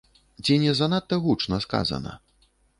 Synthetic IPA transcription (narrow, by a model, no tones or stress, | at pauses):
t͡sʲinʲɛzanat̪ːɐɣut͡ʂnɐska̰zɐ̰nɐ̰